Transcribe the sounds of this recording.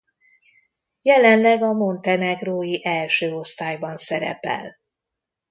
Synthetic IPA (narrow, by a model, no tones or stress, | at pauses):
jɛlɛnlɛɡɒmo̞nt̪ɛnɛɡroːjiʔɛlʃøːo̞st̪aːjbɒnsɛɾɛ̰pɛ̰l